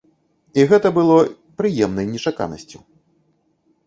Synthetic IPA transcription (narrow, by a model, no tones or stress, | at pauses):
iɣɛt̪ɐbɨlˠɔ | pɾɨjɛmnɐjnʲɛt͡ʂaka̰nɐ̰sʲt͡sʲu